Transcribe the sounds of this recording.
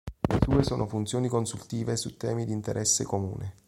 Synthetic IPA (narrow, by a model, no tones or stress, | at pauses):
lesuːesoːnʔofunt̪sjoːnikonsult̪iːvesut̪ːɛ̰ːmid̪int̪eɾʔɛsːḛkomṵːne